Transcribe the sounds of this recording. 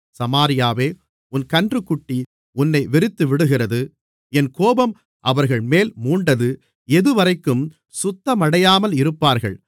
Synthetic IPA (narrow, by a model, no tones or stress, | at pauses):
sɐmaːɾɪjaːʋeː | ʊnkɐndrɯkːʊʈːi | ʊnːɐɪʋɛɾɪt̪ːɯʋɪɽɯɣɪrɐðɯ | ɛnkoːbɐm | ʔɐʋɐɾɣɐɭmeːlmuːɳɖɐðɯ | ɛðɯʋɐɾɐɪkːɯm | sʊt̪ːɐmɐɽɐjaːmɐlɪɾɯpːaːɾɣɐ̰ɭ